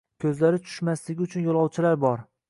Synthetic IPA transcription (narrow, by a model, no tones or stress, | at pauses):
kʲʰɵzlaɾɪt͡ʃʰʊ̥ʃmaslɪɡʲɪʊt͡ʃʰʊnjolˠɒwt͡ʃʰɪlaɾbɒɾ